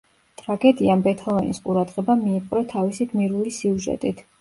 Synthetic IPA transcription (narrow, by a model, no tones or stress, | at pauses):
t̪ʼɾaɡɛd̪iambɛt̪ʰɔlˠɔnḭsqʼuɾad̪ʁɛbamiːqʼɾɛt̪ʰavisiɡmiɾulisiuʒɛ̰t̪ʼit̪ʰ